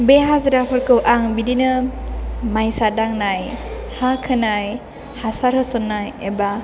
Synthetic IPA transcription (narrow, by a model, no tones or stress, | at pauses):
beɦazɾapʰɯɾkɯwʔaŋbidinɯ | majsadaŋnajhakʰɯnaj | hasaɾhɯsɔnːajeba